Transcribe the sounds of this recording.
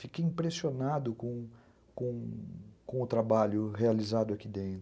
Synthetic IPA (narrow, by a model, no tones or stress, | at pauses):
fikejĩpɾesionad̪ʊkõ | kõkõʊt̪ɾabaʎʊɦealizad̪ʊakid̪ẽt̪